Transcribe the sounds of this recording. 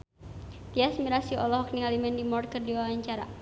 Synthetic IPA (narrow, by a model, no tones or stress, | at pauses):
t̪iasmiɾasiɔ̰lɔhɔk̚niŋalimɛndimɔrkərdiwawaɲt͡ʃaɾa